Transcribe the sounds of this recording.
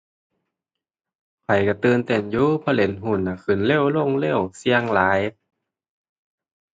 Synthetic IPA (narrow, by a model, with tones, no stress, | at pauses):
pʰwa˨˩jka˧˩t̪ɯː˧nt̪e˧˩njuː˧pʰɔ˧˨le˨˩˦nɦu˧˩˨nːa˧˩kɯ˧˩˨nle˧˥˨wlo˧˥˨ŋle˧˥˨wsi˧əŋlaː˨˦j